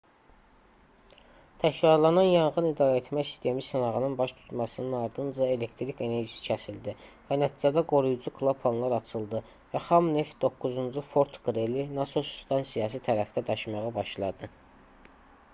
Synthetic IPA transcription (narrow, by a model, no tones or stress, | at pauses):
t̪ʰæcɾɑɾlˠɑnɑnjɑnʁɯnid̪ɑːɾæe̞t̪mæsi̥st̪ʰe̞misɯnɑʁɯnɯnbɑʃt̪ʰu̥t̪mɑsɯnɯnɑɾd̪ɯnd͡ʒɑe̞le̞kt̪ʰɾike̞ne̞ɾʒisi̥cʰæsild̪ivænæt̪ʰiːd͡ʒæd̪æɡo̞ɾujud͡ʒukʰlˠopʰːɑnlˠɑɾɑt͡ʃʰɯlˠd̪ɯ | væχɑmne̞fd̪o̞kːuzund͡ʒufo̞ɾt̪ʰɡɾelinɑsosu̥st̪ʰɑnsijɑːs̬it̪ʰæɾæfd̪æd̪ɑʃmɑʁɯbɑʃlˠɑd̪ɯ